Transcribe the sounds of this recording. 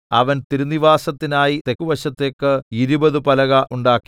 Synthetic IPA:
ɐʋɐnt̪iɾunːiʋaːsɐt̪ːinaːjit̪e̞kːuʋɐɕɐt̪ːe̞ːkːɨiɾubɐðɨpɐlɐɣɐʔuɳɖaːkːi̥

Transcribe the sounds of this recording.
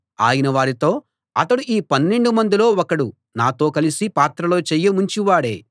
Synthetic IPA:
a̰ːjinɐʋaːɾit̪o̞ː | ɐ̰t̪ɐɽuʔiːpɐnːe̞ɳɖumɐnd̪ilo̞ːɔkɐɽu | naːt̪o̞ːkɐlisipaːt̪ɾɐlo̞ːt͡ʃɛjːɐmuɲt͡ʃiʋaːɽe̞̰ː

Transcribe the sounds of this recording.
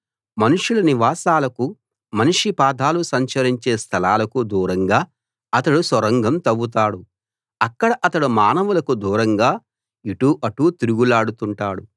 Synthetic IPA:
mɐnuʂulɐniʋaːsaːlɐku | mɐnuʂipaːd̪ʱaːlusɐɲt͡ʃɐɾiɲt͡ʃeːst̪ʰɐlaːlɐkud̪uːɾɐŋɡaː | ɐt̪ɐɽusʋɐɾɐŋɡʱɐmt̪ɐʋːut̪aːɽu | ɐkːɐɽɐʔɐt̪ɐɽumaːnɐʋulɐkud̪uːɾɐŋɡaː | iʈuːʔɐʈut̪iɾuɡulaːɽut̪uɳʈaːɽu

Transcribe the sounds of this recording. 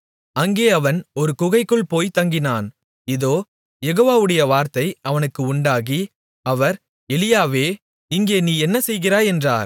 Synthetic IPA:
ɐŋɡeːɐʋɐnɔɾɯkʊɣɐɪkːɯɭpoːjt̪ɐŋɡɪnaːn | ɪðoː | jɛɣoːʋaːʋɯɽɐjɐʋaːɾt̪ɐɪɐʋɐnɯkːɯʊɳɖaːɣi | ɐʋɐɾ | ɛlɪjaːʋeː | ɪŋɡeːniːɛnːɐsɛjɣɪɾaːɛndra̰ːɾ

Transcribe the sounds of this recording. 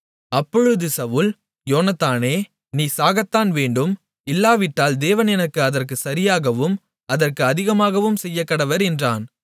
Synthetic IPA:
ɐpːɔɻɯðɯsɐʋɯl | joːnɐt̪ːaːneː | niːsaːɣɐt̪ːaːnʋeːɳɖɯm | ɪlːaːʋɪʈːaːld̪eːʋɐnɛnɐkːɯɐðɐrkɯsɐɾɪjaːɣɐʋɯm | ɐðɐrkɯɐðɪɣɐmaːɣɐʋɯmsɛjːɐkːɐɽɐʋɐɾɛndra̰ːn

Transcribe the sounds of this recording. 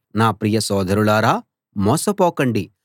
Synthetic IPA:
naːpɾijɐsɔːd̪ʱɐɾulaːɾaː | mɔːsɐpɔːkɐɳɖi

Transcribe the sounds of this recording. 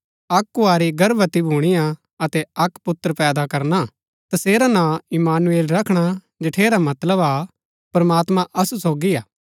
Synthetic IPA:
ɐkːʊaːɾiɡɐɾbət̪ibʱuːɽ̃ijã | ɐt̪ɛɐkpʊt̪ːəɾpɛːd̪akɐɾna | t̪ɐseːɾanãɪmaːnueːlɾɐkʰɽ̃a | d͡ʒɪʈʰeːɾamɐt̪ləba | pɐɾmaːt̪mãʔɐsusoːɡiaː

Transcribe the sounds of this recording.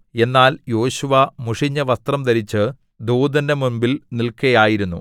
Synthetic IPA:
e̞nːaːljo̞ːɕuʋɐmuʂiɲːɐʋɐst̪rɐmd̪ɐɾit͡ɕːɨ | d̪uːd̪ɐndɐmumbilnilkɐjaːjiɾunːu

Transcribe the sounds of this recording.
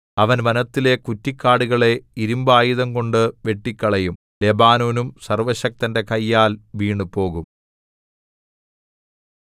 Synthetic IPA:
ɐʋɐnʋɐnɐt̪ːile̞kutːikːaːɽuɣɐɭe̞iɾumbaːjiðɐmko̞ɳɖɨʋe̞ʈːikʲːɐɭɐjum | le̞baːnoːnumsɐrʋɐɕɐk̚t̪ɐnde̞kɐjːaːlʋiːɳɨpo̞ːɣum

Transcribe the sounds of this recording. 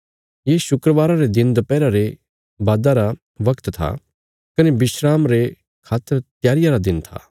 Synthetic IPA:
jeʃʊkɾəʋaːɾaɾed̪ɪnd̪ɐpɛːɾaɾe | baːd̪aɾa | ʋɐkt̪t̪ʰa̰ | kɐnebɪʃɾaːmɾe | kʰaːt̪ːəɾt̪jaːɾɪjaɾad̪ɪnt̪ʰa̰ː

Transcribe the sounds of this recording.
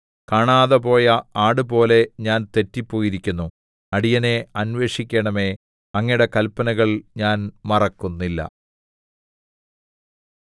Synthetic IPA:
kaːɳaːðɐpo̞ːjɐaːɽɨpo̞ːle̞ɲaːnt̪e̞tːipːo̞ːjiɾikʲːunːu | ɐɽijɐne̞ɐnʋe̞ːʂikʲːeɳɐme̞ | ɐŋːiɽe̞kɐlpːɐnɐɣɐɭɲaːnmɐrɐkːunːilːɐ̰

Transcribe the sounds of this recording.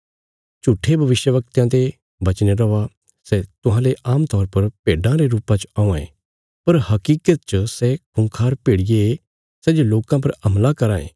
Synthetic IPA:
t͡ʃuːʈʰːebʱɐʋɪʃjəʋɐk̚t̪jãt̪e | bɐt͡ʃneɾɔʋa | sɛt̪ʊɦãleʔaːmt̪ɔːɾpɐɾpeːɖãɾeɾuːpãt͡ʃãːãḛ̃ | pɐɾhɐkiːkət̪̚t͡ʃəsɛkʰʊ̃ŋkʰaːɾpeːɽɪje | sɛːd͡ʒoloːkãp̬ɐɾɐmlakɐɾãːḛ̃ː

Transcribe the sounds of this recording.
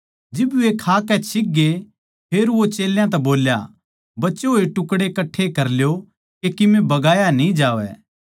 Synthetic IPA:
d͡ʒɪbʋekʰaːkɛt͡ʃʰɪk̚ɡe | pʰeːɾʋot͡ʃeːljãt̪̬ɛboːlja̰ | bɐtːt͡ʃeɦoːeʈʊkɽekɐʈʰːekɐɾljo | kekɪmẽbɐɡaːjanĩd͡ʒaːʋɛ̰ː

